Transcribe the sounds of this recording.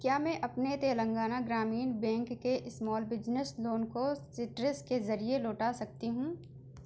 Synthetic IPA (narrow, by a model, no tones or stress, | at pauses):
kjaːmɛ̃ʔɐpnet̪eːlə̃ŋɡaːnaɡɾaːmiːnbɛ̃ːŋkːeʔɪsmɔːlbɪd͡ʒnəsloːnkosɪʈɾɪskezɐɾieloːʈasɐk̚t̪iɦũː